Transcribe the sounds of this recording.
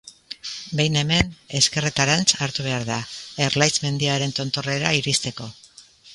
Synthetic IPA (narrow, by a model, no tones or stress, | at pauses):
be̞jne̞me̞ne̞ske̞ret̪aɾant͡saɾt̪uβe̞aɾðae̞ɾlajzme̞nd̪iaɾe̞nt̪o̞nt̪o̞re̞ɾaiɾist̪e̞ko̞